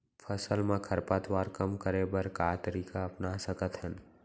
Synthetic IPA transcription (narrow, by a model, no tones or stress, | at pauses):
pʰəsəlmẽkʰəɾpat̪waːɾkəmkəɾebəɾkat̪əɾiːkaɐpnasəkət̪ɦən